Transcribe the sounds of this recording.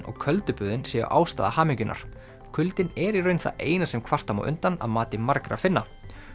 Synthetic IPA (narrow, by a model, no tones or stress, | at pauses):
nɔ̰ɣkʰœlt̪ʏpʏːðɪnsɛːɣʏ̰ʔaːwst̪aːðahaːmɪɲcʏnʔa̰ɾ̥ | kʰʏlt̪ɪnɛɾirœɥnθa̰eːjnasɛmkʰvar̥t̪ama̰wʔʏ̰nt̪ana̰ðmaːt̪ɪmaɾkɾa̰fɪnːa